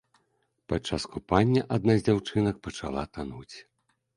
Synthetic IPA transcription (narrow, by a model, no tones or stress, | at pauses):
pat͡ʂːaskupanʲːɐʔad̪̚nazʲd͡zʲawt͡ʂɨnɐk̚pɐt͡ʂa̰lˠa̰t̪anut͡sʲ